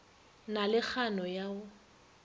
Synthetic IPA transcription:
nalɪk͡xʰanɔjaːʊ

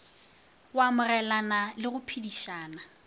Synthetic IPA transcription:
wamʊrɛlanalɪɣʊpʰidiʃaːna

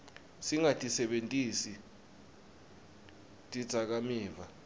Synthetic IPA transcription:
siŋatʼisɛɓentʼisi | tʼid̥z̥ʱak̬amiːva

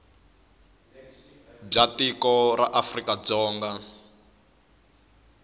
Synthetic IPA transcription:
b͡ʐatikɔraʔafrikad͡zɔːŋɡa

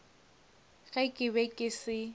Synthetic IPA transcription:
ɣɛkʼɪbɛkʼɪsɪ

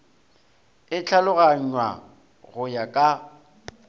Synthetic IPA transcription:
ɪt͡ɬʰalʊɣaɲ̩wa̰ | ɣʊjakʼa

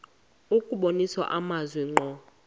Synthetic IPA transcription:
ukʼuɓoniswa̰ʔamazwɛŋ͡ǃʱɔ

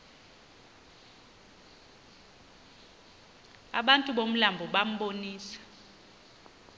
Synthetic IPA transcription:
a̰ɓantʼuɓom̩lambʱɔɓam̩ɓoniːsḁ

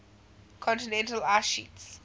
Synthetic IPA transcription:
kʰɔ̃ntinɛ̃ntəlaʃḭts

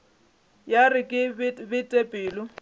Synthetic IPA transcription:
jarɪkʼɪbɪtʼepʼɪːlʊ

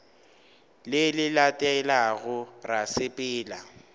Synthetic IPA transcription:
lɪlɪlatʼɛlaɣʊrasɪpʼɪːla

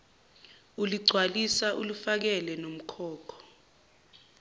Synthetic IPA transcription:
uliɡ͡ǀʱwalisaʔulufak̬ɛlɛnom̩kʰɔːkʰɔ̥

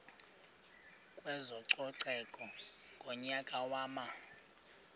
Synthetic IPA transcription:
kʼwɛzɔǀɔǀɛkʼɔ | ŋɡʱɔɲakʼawaːma

